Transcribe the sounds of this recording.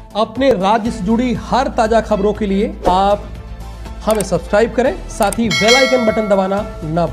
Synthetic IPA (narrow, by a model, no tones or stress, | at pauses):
ɐpneɾaːd͡ʒjəsed͡ʒʊɽihɐɾt̪aːd͡ʒaxɐbɾõkelieaːp̚ | hɐmẽsɐbskɾaːɪb̚kɐɾẽːsaːt̪ʰiʋeːlaːɪʈənbɐʈə̃nd̪ɐʋaːnanɐb